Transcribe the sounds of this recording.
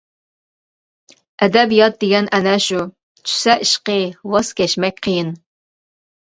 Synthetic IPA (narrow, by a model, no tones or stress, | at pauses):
ɛd̪ɛbijɑt̪̚d̪eɡʲɛnʔɛnɛʃu | t͡ʃʰy̥sɛʔiʃqəwɑskʲɛʃmɛkʲqʰəjɪn